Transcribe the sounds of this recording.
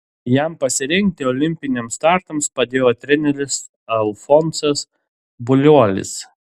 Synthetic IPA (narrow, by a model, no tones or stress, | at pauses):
jɛmpɐsʲɪɾʲɪŋk̚t̪ʲɪɔːlʲɪmʲpʲɪnʲɛmst̪ɑɾt̪ɐmspɐd̪ʲeːjoːt̪ʲɾʲɛnʲɛɾʲɪs | ɐlˠfɔnsɐs | bʊlʲuɔlʲɪ̰s